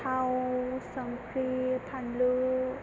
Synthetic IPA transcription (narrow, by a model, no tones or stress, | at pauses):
awsaŋkʰɾipʰanlɯ